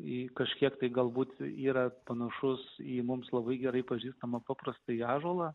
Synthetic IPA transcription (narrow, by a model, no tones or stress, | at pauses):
ikɐʃʲkʲiɛkt̪ɐɪɡɐlˠbuːt̪iːɾɐpɐnɐʃʊsiːmʊmslˠɐbɐɪɡʲɛɾɐɪpɐʒʲiːst̪ɐmɐpɑːpɾɐst̪ɐɪiɑːʒoːlˠɐ